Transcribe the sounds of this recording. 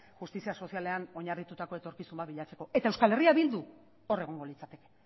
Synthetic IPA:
xust̪isiaso̞siale̞ano̞ɲarðit̪ut̪ako̞e̞t̪o̞ɾkisumbat̪βiʎat͡se̞ko̞ʔe̞t̪aewskale̞riaβild̪u | o̞re̞ɣ̞o̞ŋɡo̞lit͡sat̪e̞ke̞̥

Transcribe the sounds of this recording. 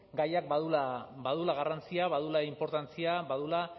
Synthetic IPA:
ɡajak̚baðulabaðulaɣarant͡siaβaðulaimpo̞ɾt̪ant͡siaβaðula

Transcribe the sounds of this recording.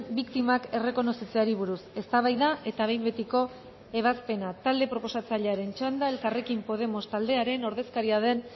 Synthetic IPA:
bikt̪imake̞re̞ko̞no̞sit͡seaɾiβ̞uɾuse̞st̪aβajðaʔe̞t̪aβ̞e̞jmbe̞t̪iko̞ | e̞β̞aspe̞nat̪ald̪e̞pɾo̞po̞sat͡saʎe̞aɾe̞nt͡ʃand̪ae̞lkare̞kimpo̞ð̞e̞mo̞st̪ald̪e̞aɾeno̞ɾðe̞skaɾiað̞e̞n

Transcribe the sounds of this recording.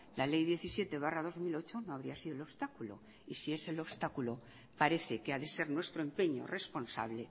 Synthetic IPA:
lalejðje̞θisje̞t̪e̞β̞arað̞o̞zmilo̞t͡ʃo̞noaβ̞ɾiasið̞oelo̞βst̪akulo̞̰ | isie̞se̞lo̞βst̪akulo̞ | paɾe̞θe̞keaðe̞se̞ɾnwe̞st̪ɾoe̞mpe̞ɲo̞̰re̞spo̞nsa̰βle̞

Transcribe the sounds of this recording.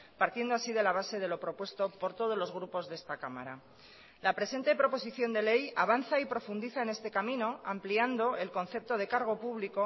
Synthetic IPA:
paɾt̪je̞nd̪oasið̞e̞laβ̞ase̞ð̞e̞lo̞pɾo̞pwe̞st̪o̞po̞ɾt̪o̞ðo̞zlo̞zɣ̞ɾupo̞zðest̪akama̰ɾa | lapɾe̞se̞nt̪e̞pɾo̞po̞siθjo̞nd̪e̞le̞jaβ̞anθaipɾo̞fund̪iθaene̞st̪e̞kamĩno̞ampliand̪o̞e̞lko̞nθe̞p̚t̪o̞ð̞e̞kaɾɣ̞o̞puβliko̞

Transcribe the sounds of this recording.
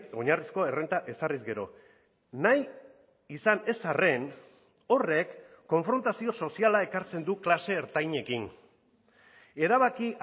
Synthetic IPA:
o̞ɲarisko̞e̞rent̪aʔe̞sarizɡe̞ɾo̞̰ | naj | isane̞sare̞n | o̞re̞kː | o̞ɱfɾo̞nt̪asio̞so̞sialae̞kaɾt͡se̞nd̪uklase̞ːɾt̪ajɲe̞kin | e̞ɾaβ̞aki

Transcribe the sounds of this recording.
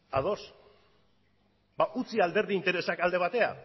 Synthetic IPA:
a̰ð̞o̞s | baʔut͡siald̪e̞ɾðiint̪e̞ɾe̞sakald̪e̞β̞at̪e̞a̰

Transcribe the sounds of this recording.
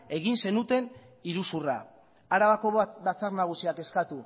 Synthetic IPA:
e̞ɣinse̞nut̪e̞n | iɾusura̰ | aɾaβako̞βabat͡saɾnaɣ̞usiake̞skat̪u

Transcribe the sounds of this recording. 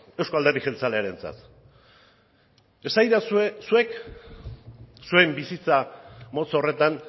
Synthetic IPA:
e̞wsko̞ald̪e̞rðixelt͡sale̞aɾe̞nt͡sa̰t̪ | e̞sajðassue̞k | sue̞mbisit͡samo̞t͡sore̞t̪an

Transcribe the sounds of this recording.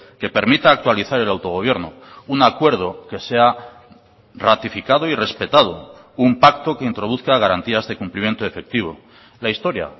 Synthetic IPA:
ke̞pe̞ɾmit̪aːk̚t̪waliθaɾe̞lawt̪o̞ɣo̞β̞je̞ɾno | unakwe̞ɾð̞o̞ke̞se̞a | rat̪ifikað̞oire̞spe̞t̪að̞o̞̰ | umpak̚t̪o̞ke̞int̪ɾo̞ðuθkaɣ̞aɾant̪iazðe̞kumplimje̞nt̪o̞e̞fe̞k̚t̪iβ̞o̞̰ | laist̪o̞ɾja̰

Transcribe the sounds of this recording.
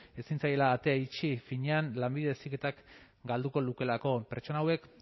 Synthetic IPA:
e̞sint͡saje̞laːt̪e̞ait͡ʃifiɲeanlambiðe̞esike̞t̪ak | ɡald̪uko̞luke̞lako̞pe̞ɾt͡ʃo̞naːwe̞k

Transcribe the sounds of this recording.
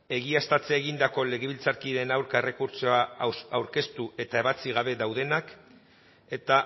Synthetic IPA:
e̞ɣ̞iast̪at͡seaeɣ̞ind̪ako̞le̞ɣ̞eβilt͡saɾkiðenawɾkae̞re̞kuɾt͡so̞aawɾke̞st̪ue̞t̪ae̞βat͡siɣ̞aβ̞e̞ðawðe̞nak | e̞t̪a

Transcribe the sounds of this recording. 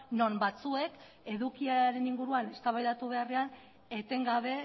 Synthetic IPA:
no̞mbat͡sue̞k | e̞ðukiaɾe̞niŋɡuɾuane̞st̪aβajðat̪uβ̞e̞are̞an | e̞t̪e̞ŋɡaβe̞

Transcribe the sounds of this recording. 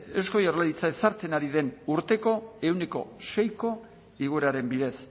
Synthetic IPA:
esko̞jorlaɾit͡sae̞saɾt͡se̞naɾiðe̞nuɾt̪e̞ko̞e̞wneko̞̰se̞jko̞ | iɣ̞uɾaɾe̞mbiðe̞s

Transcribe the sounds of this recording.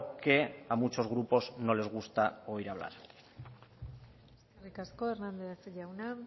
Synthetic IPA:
ke̞amut͡ʃo̞zɣ̞ɾupo̞zno̞le̞zɣ̞ust̪ao̞iɾaβ̞la̰ɾ | skerikasko̞eɾnand̪esʎawna

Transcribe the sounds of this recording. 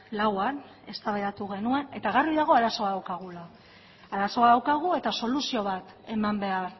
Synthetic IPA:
lawan | e̞̰st̪aβeðat̪uɣ̞e̞nue̞ne̞t̪aɣarijðaɣ̞o̞aɾaso̞aðawkaɣ̞ulaː | ɾaso̞aðawkaɣ̞ue̞t̪aso̞lusio̞β̞at̪ | e̞mambe̞aɾ

